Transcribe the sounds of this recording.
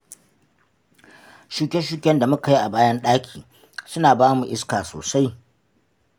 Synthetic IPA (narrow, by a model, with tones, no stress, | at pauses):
ʃu˦kʲe˦ʃu˦kʲɛ˦nda˨mʊ˦ka˨ji˦ʔa˨baː˦jɐ˦nɗaː˦kʲʰiː˨ | sʊ˦naː˨baː˦mu˨ʔɪ˦skaː˨so̰ː˨sa˦j